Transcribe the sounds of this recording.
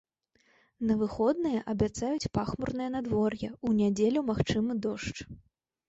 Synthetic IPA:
nɐvɨxɔd̪nɨjɐʔɐbʲat̪sajut͡sʲpaxmurnɨjɐnad̪vɔrjɛunʲad͡zʲelʲɐmaxt͡ʂɨmɨd̪ɔʂt͡ʂ

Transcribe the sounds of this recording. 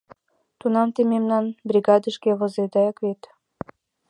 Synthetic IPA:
t̪unɑmt̪ememnɑnbrʲiɡɑd̪əʃkeβozed̪ɑjɑkβet̪

